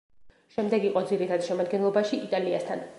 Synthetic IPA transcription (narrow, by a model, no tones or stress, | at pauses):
ʃɛmd̪ɛɡiqʼɔd̪ziɾit̪ʰad̪̥ʃɛmad̪ɡɛnlˠɔbaʃiʔit̪ʼaliast̪ʰa̰n